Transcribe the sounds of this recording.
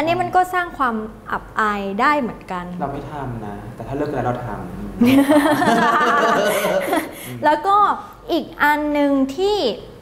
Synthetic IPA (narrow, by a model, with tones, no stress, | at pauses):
ʔa˧nːi˦˥ma˧nkɔː˥˩saː˥˩ŋkʰwaː˧m | ʔa̰˨˩p̚ʔaː˧jdaː˥˩jmɯ˩˦ənka˧nɾa˧wmi˦˥˩t̪ʰa˧mna˦˥t̪ɛː˨˩t̪ʰaː˥˩lɤ˥˩kʰːɯ˧˨a˦˥ɾa˧˩t̪ʰa̰ː˨˩m | lɛː˦˥wkɔː˥˩ | ʔiː˨˩k̚ʔa˧nːɯ˨˧ŋt̪ʰiː˥˩